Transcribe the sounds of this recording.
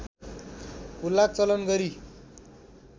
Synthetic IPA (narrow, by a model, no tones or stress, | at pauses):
kulːak̚t͡sʌlənɡʌɾi